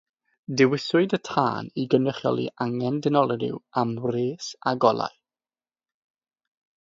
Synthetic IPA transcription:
dɪwɪsʊɨdətʰa̰ːniɡənəχjɔ̰lˠḭʔaŋɛndɪnɔlˠəɾɪ̰wamreːsa̰ɡɔlˠa̰ɨ

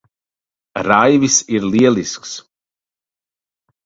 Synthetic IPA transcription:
ɾajvisiɾliɛlˠisks

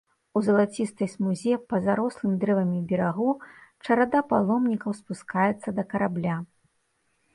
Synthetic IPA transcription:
uzɐlˠat͡sʲist̪ɐjsmuzʲɛpɐzaɾɔslˠɨmʲd̪ɾɛvɐmʲibʲɛɾaɣut͡ʂɐɾad̪apalˠɔmnʲikɐwspuskajɛt̪sːɐd̪ɐkɐɾablʲa

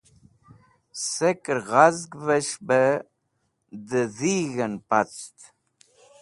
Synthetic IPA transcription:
sekəɾɣazɡvəʃbə | d̪əðiːɣənpat͡st̪

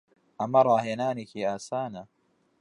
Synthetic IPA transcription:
ʔamɑɾˤɑɦenaːnikiʔaːsaːna

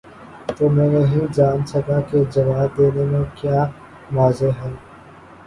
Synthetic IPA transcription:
t̪oːmɛ̃ːneɦĩd͡ʒaːnsɐkaked͡ʒɐʋaːb̚d̪eːnemẽkjaː | ʋaːzeɦɛː

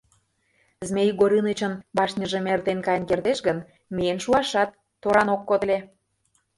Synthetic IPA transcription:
zmʲejɡoɾinət͡ɕə̆nbɑʃnʲəʒĕmert̪enkɑjnkerd̪eʃɡən | mienʃuɑʃɑt̪ːoɾɑnokːod̪əlʲe

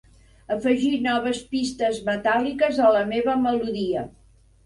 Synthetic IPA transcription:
əfəʒinɔβəspist̪əzmət̪alikəzələmeβəməluðiə

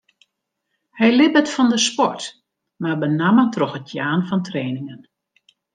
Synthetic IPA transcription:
hɛjlɪbətfɔndəspɔrt | mabənamətroxətjaːnfɔntreːnɪŋən

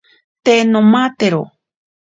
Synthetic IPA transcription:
t̪enõmat̪eɾo

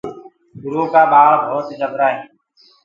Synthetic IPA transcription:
ɡʊɾõːkaːɓaːɭbʱoːt̪d͡ʒəbɾaːɦeː

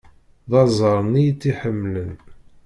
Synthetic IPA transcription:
ðɑzˤəɾˤnːijt͡sːiħəmːlən

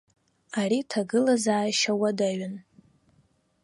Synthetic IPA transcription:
aritʰaɡɨlazaːjʃawadaɥan

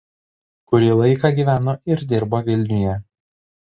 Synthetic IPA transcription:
kʊɾʲiːlˠɐɪkɑˑɡʲiːʋʲæːnoːɪɾd̪ʲɪɾboːʋʲɪlʲnʲʊjɛ

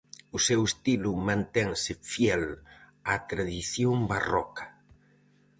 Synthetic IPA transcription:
ʊsewest̪ilʊmãnt̪ɛŋsɪfjɛl | at̪ɾaðiθjombarɔ̰kɐ̥

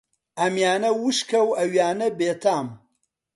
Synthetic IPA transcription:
amjaːnɐwʊʃkʰɐwaɥaːnɐbeːtʰaːm

